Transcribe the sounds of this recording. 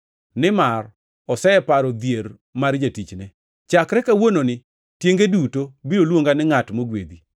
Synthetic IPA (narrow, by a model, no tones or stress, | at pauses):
nɪmar | ɔsɛɛpaɾɔd̪jeɾ | maɾd͡ʒatit͡ʃnɛ | t͡ʃakɾɛkawononɪ | tjeŋɡedutobiolwoŋɡanɪŋatmoɡwḛd̪i